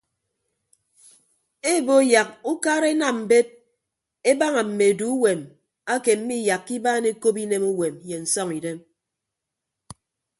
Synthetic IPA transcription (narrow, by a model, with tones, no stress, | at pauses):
e˦˨bo˦ja˨k̚u˦kaː˦ɾe˦na˨m̩˨be˦t̚ | e˦ba˦ŋa˨m̩˨me˨e˨du˦u˦we˨m | a˦ke˨m̩˦mi˦˨ja˨kːi˦baː˦ne˦ko˦pi˦ne˦mu˦we˨mje˨n̩˨sɔ˦ŋi˨de˦m